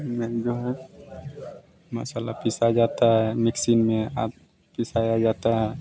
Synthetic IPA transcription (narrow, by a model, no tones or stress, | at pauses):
mɛld͡ʒɔɦɛ | ma̰salapisad͡ʒat̪amiksinmɛa | pisajad͡ʒat̪a